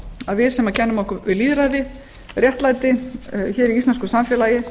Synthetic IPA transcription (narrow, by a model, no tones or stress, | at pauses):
aðvɪð̥sɛmaðcʰɛnːʏmɔhkʏvɪðliːðɾaðɪ | rjɛht̪laːjt̪ɪçɛːɾiist̪anskʏsamfjɛːlajɪ